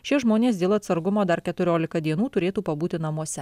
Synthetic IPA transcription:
ʃʲɪʒmoːnʲeːs̬d̪ʲeːlˠɐt̪sɐɾɡʊmoːd̪ɐɾkʲɛt̪ʊɾʲoːlʲɪkɐd̪ʲiɛnuːt̪ʊɾʲeːt̪uːpɐbuːt̪ʲɪnɐmuɔsʲɛ

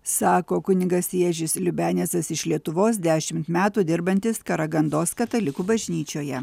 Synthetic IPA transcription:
sɑːkoːkʊnʲɪɡɐsʲiɛʒʲɪslʲʊbʲæːnʲɛsɐsɪʃlʲiɛt̪ʊʋoːs̬d̪ʲæːʃʲɪmt̪mʲæːt̪uːd̪ʲɪɾbɐnʲt̪ʲɪskɐɾɐɡɐnd̪oːskɐt̪ɐlʲɪkuːbɐʒʲnʲiːt͡ʃʲoːjɛ

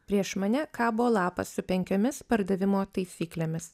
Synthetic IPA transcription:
pʲɾʲiɛʃmɐnʲɛkɑːbʊʋoːlˠɑːpɐ̰ssʊpʲɛŋʲkʲomʲɪspɐɾd̪ɐʋʲɪmoːt̪ɐɪsʲiːklʲeːmʲɪs

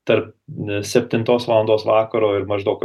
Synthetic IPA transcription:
t̪ɐɾp̚sʲɛpʲt̪ʲɪnt̪oːsʋɑlˠɐnd̪oːsʋɑːkɐɾoːɪɾmɐʒd̪ɐʊk

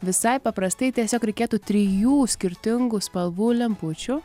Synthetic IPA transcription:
ʋʲɪsɐɪpɐpɾɐst̪ɐɪt̪ʲiɛsʲoːkɾʲɛɪkʲeːt̪uːt̪ʲɾʲɪjuːsʲkʲɪɾʲt̪ʲɪŋɡʊspɐlˠʋuːlʲɛmpʊt͡ʃʲʊ

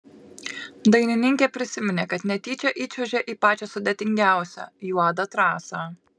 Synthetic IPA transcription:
d̪ɐɪnʲɪnʲɪŋʲkʲeːpʲɾʲɪsʲɪmʲɪnʲeːkɐt̪nʲɛt̪ʲiːt͡ʃʲɛʔiːt͡ʃʲɛʒʲeʔiːpɑːt͡ʃʲosʊd̪ʲet̪ʲɪŋʲɡʲæˑʊsʲæ̰ːjuɑd̪ɐt̪ɾɑːsɑ

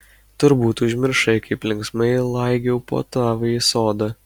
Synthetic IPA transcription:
t̪ʊɾbuːt̪ʊʒʲmʲɪɾʃɐɪkɐɪplʲɪŋksmɐɪlˠɐɪɡʲɛʊpo̰ːt̪ɑːʋɐisoːd̪ɐ

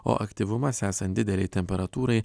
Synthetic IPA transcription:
o̰ːʔɐkt̪ʲiːʋʊmɐsʲæːsɐnt̪d̪ʲɪd̪ʲɛlʲɛɪt̪ʲɛmʲpʲɛɾɐt̪uːɾɐɪ

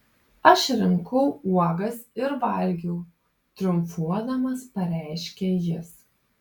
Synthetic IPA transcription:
ɐʃɾʲɪŋkʰɔʊuɔɡɐsɪɾʋɐlʲɡʲɛʊ | t̪ʲɾʲʊmfuɔd̪ɐmɐspɐɾʲæˑɪʃʲkʲejɪs

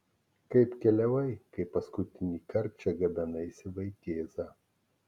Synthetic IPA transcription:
kɐɪpkʲɛlʲɛʋɐɪkɐɪpːɐskʊt̪ʲɪnʲiːkɐɾʲp̚ʲt͡ʃʲɛɡɐbʲɛnɐɪsʲɪʋɐɪt̪ʲeːzɐ

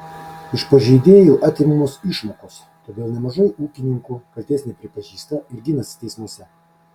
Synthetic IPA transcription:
ɪʃpɐʒʲɛɪd̪ʲeːjuːʔɑːt̪ʲiːmumoːsɪʃmoːkoːs | t̪oːd̪ʲeːlˠnʲɛmɐʒɐɪuːkʲɪnʲɪŋkukɐlʲt̪ʲeːsʲnʲɛɪpʲɾʲɪpɐʒʲiːst̪ɐɪɾɡʲɪnɐsʲt̪ʲɛɪsmoɔsʲɛ

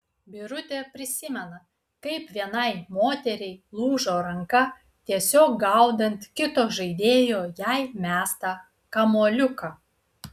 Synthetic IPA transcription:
bʲɪɾʊt̪ʲepʲɾʲɪsʲɪmʲɛnɐ | kɐɪpʋʲiɛnɐɪmoːt̪ʲɛɾʲɛɪlˠuːʒoːɾɐŋkɐ | t̪ʲiɛsʲoːk̚ɡɐʊd̪ɐnʲt̪ʲkʲɪt̪oːʒɐɪd̪ʲeːjoːjæɪmʲæːst̪ɑ | kɐmoːlʲʊkɐ

